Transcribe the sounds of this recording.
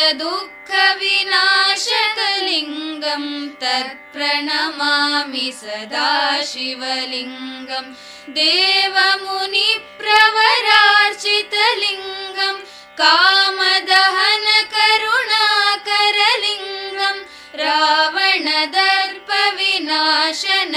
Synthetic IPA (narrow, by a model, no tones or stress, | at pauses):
ɐd̪ukʰːɐʋinaːʃɐkɐliŋɡɐmt̪ɐɾpɾɐɳɐmaːmisɐd̪ʱaːʃiʋɐliŋɡɐm | d̪eːʋɐmunipɾɐʋɐɾaːɾt͡ʃit̪ɐliŋɡɐm | kaːmɐd̪ɐɦɐnɐkɐɾuɳaːkɐɾɐliŋɡɐm | ɾaːʋɐɳɐd̪ɐɾpɐʋinaːʃɐnɐ